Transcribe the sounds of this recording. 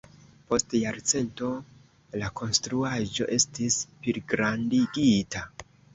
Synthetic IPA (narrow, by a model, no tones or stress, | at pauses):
po̞stjaɾt͡se̞nto̞ | lako̞nstɾuaʒo̞̰ʔe̞stispiɾɡɾandiɡita